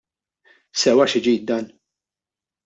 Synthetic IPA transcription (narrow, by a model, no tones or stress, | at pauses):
sɛwɐʃɪd͡ʒiːjt̪̚d̪ɐːn